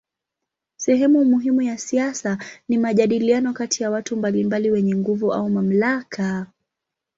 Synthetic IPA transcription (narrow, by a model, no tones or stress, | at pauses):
sɛɦɛmumuɦimujasiasanimaʄaɗilianɔkatijawatumbalimbaliwɛɲɛŋɡuvua̰umam̩laka